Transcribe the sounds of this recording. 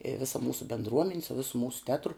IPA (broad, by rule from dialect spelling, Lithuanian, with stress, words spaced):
ɪ ˈʋʲɪsɐ ˈmuːsʊ bʲɛndˈruɔmʲɛnʲɪ sʊ ˈʋʲɪsʊ ˈmuːsʊ ˈtʲæːtrʊ